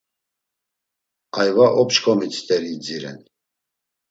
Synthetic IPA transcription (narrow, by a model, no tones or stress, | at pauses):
ajvaʔɔpt͡ʃkʰʼɔmit͡s̪ʰt̪ʼɛɾid͡ziɾɛ̰n